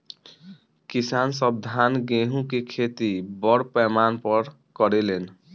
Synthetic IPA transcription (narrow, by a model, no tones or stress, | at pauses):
kisansʌb̚d̪ʱanɡeɦũkekʰet̪ibɔɽpɛmanpʌɾ | kʌɾelen